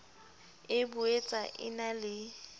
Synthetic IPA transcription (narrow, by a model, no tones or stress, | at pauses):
ɪbʊet͡sʼaʔɪ̰nalɪ